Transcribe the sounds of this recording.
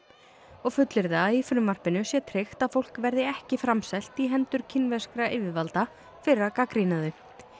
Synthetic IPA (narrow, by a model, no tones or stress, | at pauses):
ɔɣfʏt̪lɪɾðaðifɾʏmːar̥pɪnʏsjɛt̪ʰɾext̪aðfowl̥kvɛɾðɪɛhcɪfɾamsɛl̥t̪iɦɛnt̪ʏɾ̥cʰɪnvɛskɾaʔɪːvɪðvalt̪a | fɪɾɪakakɾinaðʏ